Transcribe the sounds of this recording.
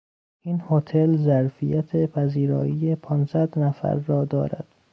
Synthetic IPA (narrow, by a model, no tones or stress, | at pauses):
ʔinhot̪ʰelzæɾfijæt̪ʰepʰæziːɾɒ̰ːiːjepʰɒːnsæd̪næfæ̰ɾːɒːd̪ɒ̰ːɾæ̰d̪̥